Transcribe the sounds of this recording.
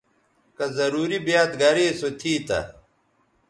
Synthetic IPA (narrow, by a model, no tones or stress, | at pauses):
kɐzɐɾuːɾibjaːt̪ɡɐɾeːsot̪ʰiːt̪ɐ̰